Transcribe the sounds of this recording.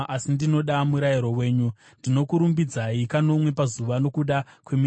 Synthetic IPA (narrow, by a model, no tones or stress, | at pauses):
asindino̞ɗamuɾajiɾo̞we̞ːɲu | ndino̞kuɾumbid͡zaikano̞mwe̞pazuʋano̞kuɗakwemi